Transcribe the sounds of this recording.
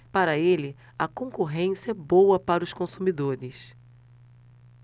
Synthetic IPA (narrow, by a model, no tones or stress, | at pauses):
paɾɐelɪ | ɐkõkoɦẽsiɛbowɐpaɾɐʊskõsumid̪oɾɪs